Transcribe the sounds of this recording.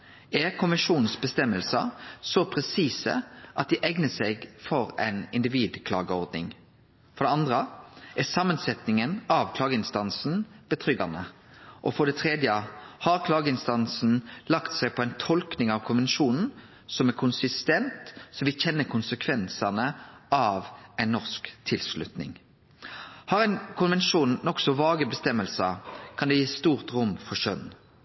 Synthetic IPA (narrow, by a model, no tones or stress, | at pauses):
æɾkʰʊnʋɛnʂuːnn̩sbəst̪ɛmːəlsɑsɔpʰɾɛsiːsə̰ʔɑt̪̚d̪ɪʔɛɡnəsɛɡfɔɾɛ̰ɪnɪnd̪ɪʋiːd̪kʰlɑ̰ːɡəɔɾd̪nɪ̰ŋ | fɔɾɖ̪ɛɑnd̪ʁəʔæsɑmːənsɛt̪nɪŋənɑʋkʰlɑːɡəɪnst̪ɑnsn̩b̥ət̪ʰɾʏɡɑnə | ʔɔfɔɖ̪ɛt̪ʰɾeːd̪jəhɑɾkʰlɑːɡəɪnst̪ɑnsn̩lɑkt̪sæɪpʰɔæɪnt̪ʰɔlknɪŋɑʋkʰʊnʋɛnʃuːnn̩ | sɔmæʁkʰʊnsɪst̪ɛnt̪sɔʋɪçɛnːəkʰʊnsəkʰʋɛnsɑnəʔɑʋæɪnːɔʁskt̪ʰɪlslʉt̪nɪ̰ŋ | hɑɾæɪnkʰʊnʋɛnʃuːnːɔksɔʋɑːɡəbəst̪ɛmːəlsəkʰɑnd̪ɛjiːst̪uːʁt̪ʁʊmfɔʃœn